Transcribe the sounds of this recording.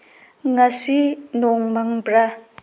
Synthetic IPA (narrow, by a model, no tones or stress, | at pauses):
ŋasinɔŋmaŋbɾa